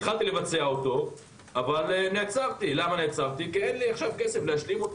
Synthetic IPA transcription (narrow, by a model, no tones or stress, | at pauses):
χalt̪ilevat͡seaot̪o̞ | avalnet͡savt̪ilamanet͡savt̪ikienliaχʃavkesefleaʃlimot